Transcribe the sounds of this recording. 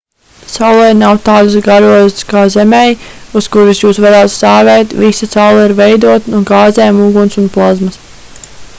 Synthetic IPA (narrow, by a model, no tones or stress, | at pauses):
sawlˠɛɾnawt̪aːd̪usɡaɾuɔjskaːzemɛjuskuɾisjuːsʋaɾaːt̪saːɡɛjt̪visasawlˠiɾvɛjd̪uɔt̪nuɡɑːzɛːmuɡunsunplˠɔzmas